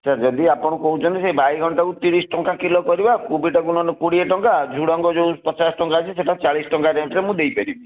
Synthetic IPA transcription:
t͡ʃʰad͡ʒɔd̪iapɔɽ̃ɔkɔɦut͡ʃʰɔnt̪isebajɡʱɔɳʈakut̪iɽ̃isʈɔŋkakilɔkɔɾibakubiʈɔkunɔnekuɽieʈɔŋkad͡ʒʱuɽɔŋɡɔd͡ʒopət͡ʃasʈɔŋkat͡ʃʰiseʈat͡ʃaɭisʈɔŋkaɾeɳʈɾemũd̪ejpeɾibi

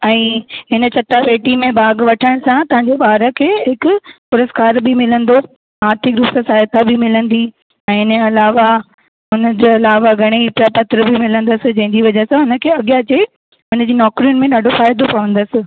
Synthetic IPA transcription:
ɛ̃ːɦɪnə̆t͡ɕʰɐʈːapeːʈimẽbaːɡʋɐʈʰə̃sãt̪ɐɦãɲd͡ʑebaːɾəkʰeːɦɪkʊpʊɾəskaːɾbʱɪmɪlə̃nd̪o | aːɾt̪ʰɪkɾʊpsɐsaːjət̪ʰabʱɪmɪlə̃nd̪i | ɛ̃ːɪnəɐlaːʋa | ɦʊnəd͡ʑeɐlaːʋaɡʱɐɽ̃epɾapɐt̪ɾəbʱɪmɪlə̃nd̪əsɪ̆d͡ʑɐ̃ɦɪ̃ɲd͡ʑiʋɐd͡ʑɐsãɦʊnə̆kʰeːɐɠijat͡ɕe | ʊnəd͡ʑiːnɔːkɾijʊnɪ̆mẽɗaːɖʱofaːjd̪opɐʋə̃nd̪əsɪ̆

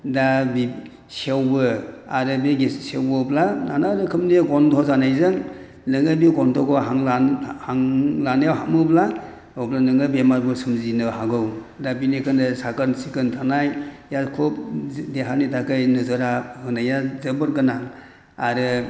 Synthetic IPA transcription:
dabi | sewbɯa̰ɾɯbiɡissewbɯplananaɾɯkʰɯmniɡɔntʰɔzanajzɯŋ | lɯŋabiɡɔntʰɔkɔɦaŋlahaŋlanajawɦamɯpla | ɯwplanɯŋɯbemaɾbɯsumzinɯɦaɡɯw | dabinikʰɯnɯsakaɾnsikɯntʰanajjakʰɔp̚deɦanitʰakɯjnɯzɯɾahɯnajazɯbɯɾkɯna | aɾɯ

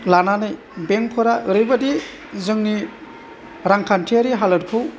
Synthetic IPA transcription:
lananɯj | beŋpʰɯɾaɯɾɯjbadi | zɯŋni | ɾaŋkʰantʰiaɾiɦalɯɾkʰɯw

